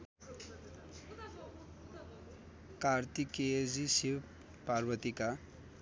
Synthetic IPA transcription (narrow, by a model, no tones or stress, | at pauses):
kart̪iked͡zisiw | parbʌt̪ika